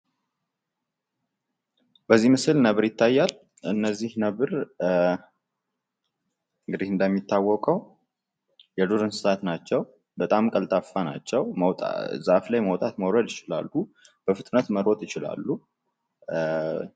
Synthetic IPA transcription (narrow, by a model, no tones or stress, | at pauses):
b̥əzːimɨsɨlnəβɨɾjɪt̪ːajːal | ɨnːəzːihnəβɨɾ | ɨŋɡɨd̪ihɨnd̪əmːit̪ʰːawːɔkʼəw | jɛd̪oɾɨnsɨsat̪nat͡ʃːɛw | bət̪ʼamkʼəlt̪ʼafːana̰t͡ʃːɛwməwt̪a̰zaflajməwt̪ʼat̪məwɾəd̪jɪt͡ʃɪla̰lːu | b̥əfɨt̪ʼnət̪məɾwɔt̪ʼjɪt͡ʃɪla̰lːu